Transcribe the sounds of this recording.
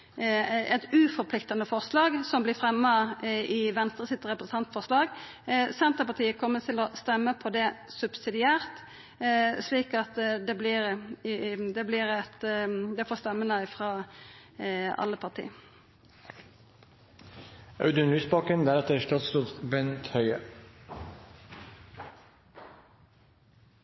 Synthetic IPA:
ɛ̰t̪ʉfɔʁpʰlɪkt̪ɑnəfɔʁslɑːɡsɔmblɪfɾɛmːɑɪʋɛnst̪ʁəsɪt̪ɾɛpɾəsn̩t̪ɑnt̪fɔʁslɑːɡ | sɛnt̪əpɑʁt̪ʰiːəkʰɔmːət̪ʰɪlɔst̪ɛmːəpʰɔd̪ɛsʉbsɪd̪ɪæːʁt̪ | sliːkɑt̪d̪ɛblɪɾ | d̪ɛːbliːʁɛt̪d̪ɛːfoːst̪ɛmːənəɪfʁɑː | ɑ̰lːəpʰɑʁt̪ʰḭː | ɑʉd̪ənɾʉːsbɑkənd̪æɾɛt̪əɾʂʈɑːt̪st̪uːt̪bɛnt̪hœʏə

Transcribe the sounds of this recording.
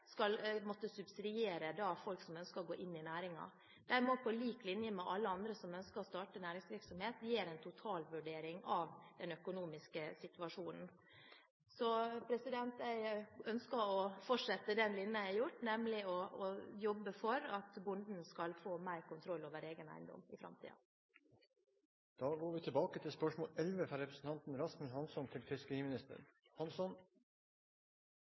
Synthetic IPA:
skɑlmɔt̪ːəsʉbsɪd̪ɪeːɾəd̪ɑːfɔlksɔmœnskəɾɔɡoːʔɪnːɪnæːɾɪŋɑ̰ | d̪̥æɾmɔpʰɔliːklɪnjəmɛʔɑlːəɑnd̪ɾəsɔmœnskəɾɔst̪ɑːʈənæːɾɪŋsʋɪɾksɔmheːt̪jeːɾænt̪ʰʊt̪ʰɑːlʋʉɖeːɾɪŋɑʋd̪̥ɛnœkʊnuːmɪskəsɪt̪ʉɑʂuːnn̩ | sɔpʰɾɛsɪd̪ɛnt̪æɪœnskəɾɔfɔʂɛt̪ːəd̪ɛnlɪnːəæɪjʊʈːnɛmlɪɔːjɔbːəfɔɾɑt̪bʊnd̪n̩skɑlfoːmæɪɾkʊnt̪ʰɾɔlːoːʋəɾeːɡənæ̰ɪnd̪ɔ̰mɪfɾɑ̰mt̪ʰḭːɑ̰ | d̪̥ɑːɡoːɾʋɪt̪ʰɪlbɑːkət̪ʰɪlspœʂmoːlɛlʋəfɾɑːɾɛpɾəsn̩t̪ʰɑnt̪n̩ɾɑsmənhɑnsɔnt̪ʰɪlt̪ʰʏskəimɪnɪst̪ə̰ɾhɑnsɔn

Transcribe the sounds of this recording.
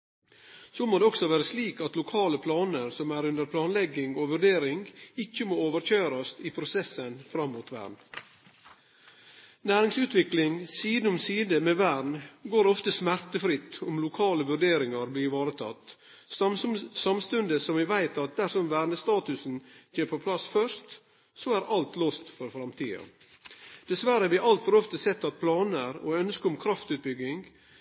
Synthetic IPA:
soːmoːd̪eɔksɔʋæːɾəsliːkɑt̪lʊkʰɑːləpʰlɑːnəɾsɔmæɾʉnd̪əɾpʰlɑːnlɛɡɪŋoːʋʉɖeːɾɪŋɡɪçːəmoːoːʋəɾt͡ʃøːɾɑst̪iːpʰɾʊsɛsənfɾɑmːuːt̪ʋæ̰ːɳ | næːɾɪŋsʉːt̪ʋɪklɪŋsiːd̪n̩ʊmsiːd̪əmeːʋæːɳɡoːɾɔft̪əsmæɾt̪əfɾɪt̪ːʊmlʊkʰɑːləʋʉɖeːɾɪŋɑɾbliːʋɑːɾət̪ʰɑ̰t̪ː | sɑmst̪ʉnd̪əsɔmʋɪʋæɪt̪ɑt̪̚d̪æʂɔmʋæːɳəst̪ɑːt̪ʉsn̩çʰeːpʰopʰlɑsfœʂt̪ | soæɾʔɑlt̪loːst̪fɔɾfɾɑmt̪ʰiːɑ̰ | d̪̥ɛsʋæɾəəʋɪʔɑlt̪fɔɾɔft̪əsɛt̪ːɑt̪̚pʰlɑːnæɾo̰ːœnskəʊmkʰɾɑft̪ʉːt̪̚bʏɡɪŋɡ

